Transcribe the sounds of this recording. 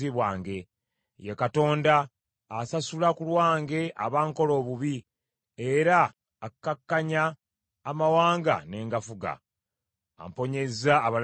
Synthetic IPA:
iβwaːŋɡe̞ | jekato̞ːndaː | sasulakulwaːŋɡe̞ʔa̰βaːŋko̞lo̞ːβuβi | eɾaː | kːakːaɲaː | mawaːŋɡa̰ne̞ːŋɡafuɡa̰ː | mpo̞ɲe̞zaːβal

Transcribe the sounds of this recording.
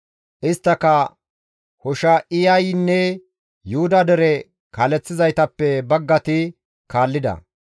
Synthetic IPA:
ʔɪst̪ːɐkɐ | hɔʃɐɪjɐjnːɛ | jʊhʊd̪ɐd̪ɛɾɛ | kɐlɛt͡sːɪzɐjt̪ɐpːɛbɐɡːɐt̪ɪ | kaːlːɪd̪ɐ̰

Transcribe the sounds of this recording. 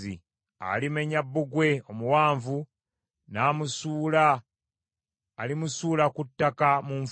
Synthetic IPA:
ḭ | a̰limeɲabːuɡwe̞omuwaːɱvu | naːmusuːla | limusuːlakutːakamuɱ

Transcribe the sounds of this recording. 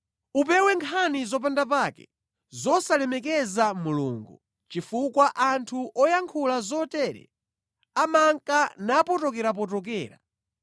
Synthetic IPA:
upɛwɛŋkʰanizɔp̬andap̬akɛ̰ | zɔsalɛmɛkɛzamulṵːŋɡu | t͡ʃifukwaʔantʰuʔɔjaŋkʰulazɔtɛːɾɛ̰ | amaŋkanapɔtɔk̬ɛɾap̬ɔt̬ɔk̬ɛːɾa

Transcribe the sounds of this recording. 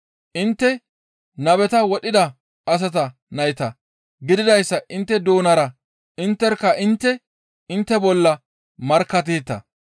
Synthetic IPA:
ʔɪnt̪ːɛ | nɐbɛt̪ɐwɔɗɪd̪ɐ | ɐs̬ɐt̪̬ɐ | nɐjɪt̪ɐ | ɡɪd̪ɪd̪ɐjsːɐʔɪnt̪ːɛd̪oːnɐɾɐ | ɪnt̪ːɛɾkːɐʔɪnt̪ːɛ | ɪnt̪ːɛbɔlːɐ | mɐɾkːɐt̪̬eːt̪ːɐ̰

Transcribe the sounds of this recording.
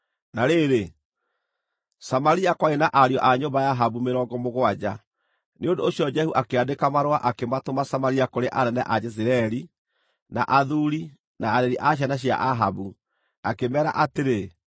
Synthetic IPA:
naɾeɾe | samaɾiakwaenaʔaɾiɔʔaɲombajaɦaβumeɾɔːɡɔmoɣwad͡ʑa | neondoːɕiɔd͡ʒɛhuʔakeadekamaɾwaʔakematomasamaɾiakoɾeʔanɛnɛ̰ʔad͡ʒɛs̬iɾɛɾi | na̰ʔaðuɾi | naːɾɛɾiʔaɕ̬anaɕ̬ia̰ʔaɦaβu | akemɛːɾa̰ʔateɾe

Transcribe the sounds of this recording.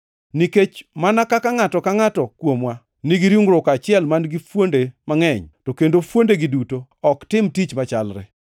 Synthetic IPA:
niket͡ʃmanakakaŋatɔkaŋatɔkwomwa | nɪɡiɾjuŋɾʊkat͡ʃɪɛlmanɡifwondemaŋɛɲtokendofwondeɡɪduto | ɔktɪmtit͡ʃmat͡ʃalɾɛ̰

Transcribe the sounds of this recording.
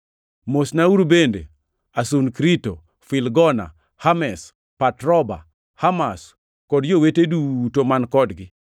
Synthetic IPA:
mosnauɾbendḛ | asunkɾito | fɪlɡɔna̰ | hamɛs | patɾɔba̰ | hamas | kɔdjowetedutomankɔdɡɪ

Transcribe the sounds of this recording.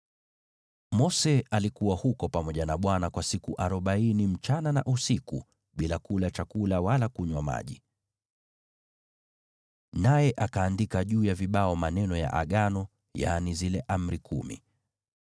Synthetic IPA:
mɔsɛalikuwahukɔpamɔʄanaɓwanakwasikuʔaɾɔɓainim̩t͡ʃanana̰ʔusikṵ | ɓilakulat͡ʃakulawalakuɲwama̰ʄi | najɛʔakaːndikaʄuːjaviɓaɔmanɛnɔja̰ʔa̰ɠanɔ | ja̰nizilɛʔam̩ɾikʰumḭ

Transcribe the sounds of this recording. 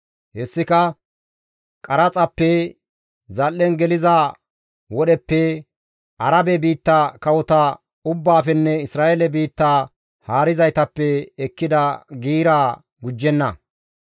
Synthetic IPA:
hɛsːɪkɐ | kʼɐɾɐt͡sʼɐpːɛ | zɐlːɛnɡɛlɪza | wɔɗɛpːɛ | ɐɾɐbɛbiːt̪ːɐkɐwɔt̪ɐ | ʊbːaːfɛnːɛɪsɾaːʔelɛbiːt̪ːaː | haːɾɪzɐjt̪ɐpːɛːkːɪd̪ɐɡiːɾaː | ɡʊd͡ʒːɛnːɐ

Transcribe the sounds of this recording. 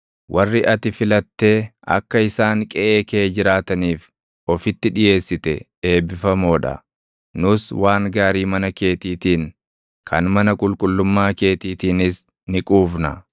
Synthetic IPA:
wʔɐrːɪʔɐt̪ɪfɪlɐt̪ːe̞ːɐ̰kːɐɪsaːŋkʼɛʔeːkeːd͡ʒɪɾaːt̪ɐniːf | ɔfɪt̪ːɪᶑɪje̞ːsːɪt̪ɛ̰ | e̞ːbɪfɐmoːᶑɐ̰ | nʊswaːŋɡaːɾiːmɐnɐke̞ːt̪iːt̪iːn | kʰɐnmɐnɐkʼʊlkʼʊlːʊmːaːke̞ːt̪iːt̪iːnɪs | nɪkʼuːfnɐ

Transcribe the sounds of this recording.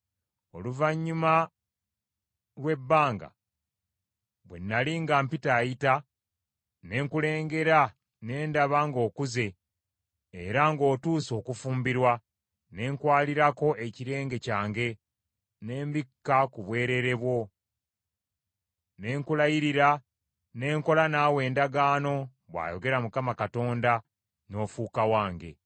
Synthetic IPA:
o̞̰luvaɲːuma | lwe̞bːaːŋɡa̰ | βwe̞̰nːaliŋɡampitaːjita | ne̞ːŋkule̞ːŋɡe̞ɾa | ne̞ːndaβaŋɡo̞ːkuze̞ː | ɾaŋɡo̞ːtuːso̞ːkufuːmbiɾwa | ne̞ːŋkwaːliɾako̞ʔe̞ciɾe̞ːŋɡe̞caːŋɡe̞ | ne̞ːmbikːakuβwe̞ːɾe̞ɾe̞βwo̞ | ne̞ːŋkulajiɾiɾa | ne̞ːŋko̞lanaːwe̞ːndaɡaːno̞ | βwa̰ːjo̞ɡe̞ɾamukamakato̞ːnda | no̞ːfuːkawaːŋɡe̞̰

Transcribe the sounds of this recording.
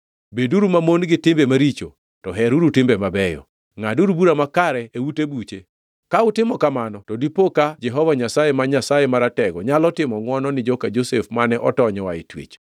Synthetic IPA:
beduɾumamonɡɪtɪmbemaɾit͡ʃo̰ | tɔɦɛɾuɾutɪmbemabɛjɔ̰ | ŋaduɾubuɾamakaɾɛewutebut͡ʃe | kaʊtɪmɔkamanɔtɔdipokad͡ʒɛɦɔvaɲasajemaɲasajemaɾatɛɡɔɲalɔtɪmɔŋwɔnɔnɪd͡ʒɔkad͡ʒosefmanɛʔɔtɔɲɔwaɪ̰twḛt͡ʃ

